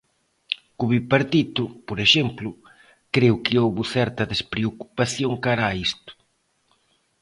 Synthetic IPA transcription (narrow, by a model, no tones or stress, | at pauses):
kuβipaɾt̪it̪ʊpoɾeʃemplʊ | kɾewkɪowβʊθɛɾt̪ɐðespɾeoku̥paθjoŋkaɾaːist̪ʊ̥